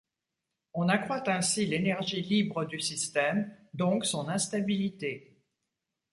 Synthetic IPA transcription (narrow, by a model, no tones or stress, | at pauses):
ɔ̃nakχwat̪ɛ̃silenɛʁʒilibʁəd̪ysist̪ɛmd̪ɔ̃ksɔ̃nɛ̃st̪abilit̪e